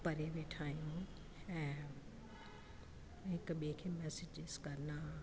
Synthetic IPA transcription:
pɐɾeʋeːʈʰaːijũ | ɛ̃ː | ɦɪkɓikʰeːmɛːsɪd͡ʒɪz̥kɐɾnaː

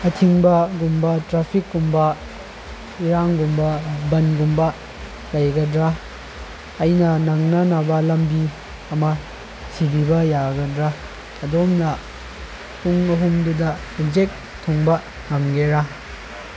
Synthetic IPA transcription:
ɐtʰiŋbɐɡumbɐtɾapʰikɡumbɐ | iɾaŋɡumbɐbɐnɡumbɐ | lɐjɡɐdɾaː | jnɐnɐŋnɐnabɐlɐmbi | ɐmɐ | sʰibibɐjaɡɐdɾa | ɐdomnɐ | tuŋɐɦumdudɐ | id͡ʒek̚ | tʰːɔŋbɐ | hɐmɡeɾa

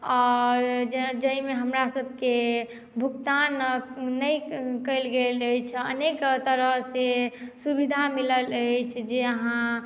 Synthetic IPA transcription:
ɔːɾd͡ʒd͡ʒəɦimeɦəmɾasəbʱke | bʱukt̪anːəjkəɪlɡeləjt͡ʃʰənekt̪əɾəɦsesubid̪ʱamilələt͡ʃʰd͡ʒeəɦã

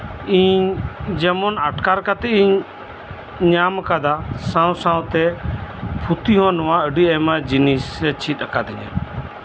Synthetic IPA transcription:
ĩːd͡ʒəmonaʈkaːɾkaːt̪eĩ | ɲaːməkaːd̪aːsãːũsãːũt̪eːpʰut̪iːɦõːnʋãːəɖiːemad͡ʒiniːset͡ʃʰiːt̪əkaːd̪ɪɲḛ

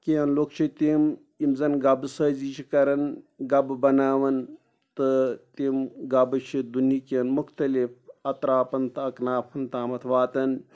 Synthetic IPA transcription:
kʲeɐnloːkt͡ʃʰit̪im | imzɐnɡɐbsəːzit͡ʃʰikɐɾɐnɡɐbɨbɐnaːʋɐn | t̪ɨt̪imɡɐbɨt͡ʃʰid̪unikenmuxt̪ɐlifɐt̪ɾaːpɐnt̪ɐknaːpʰɐnt̪aːmɐt̪ʰʋaːt̪ɐn

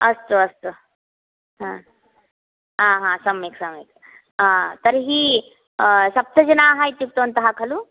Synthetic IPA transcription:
əst̪oɐst̪o | ɦã | ɦãɦãsəmeksəmek | ãt̪əɾɦiː | sɐp̚t̪ʰəd͡ʑənaːɦajt̪jik̚t̪ont̪əɦakʰalu

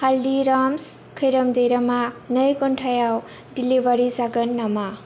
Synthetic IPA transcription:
haldiɾamskʰəjɾəmd̪əjɾamanəjkɔnʈʰajaw | ɖilibaɾisaɡənːama

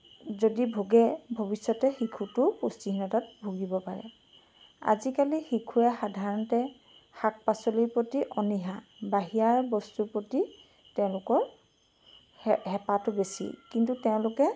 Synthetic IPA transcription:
zodibʱoɡɛbʱobisːɔtɛxikʰutʊpustiɦinɔtat̚bʱuɡibɔpaɹɛ̰ | a̰zikalixikʰuɛxadʱaɹɔntɛ | xak̚pasɔlijpotiʔɔniɦabaɦijaɹbɔstuɹpɹoti | tɛʊ̃lʊkɔɹ | hɛpatʊbesḭkintutɛʊ̃lʊkɛ

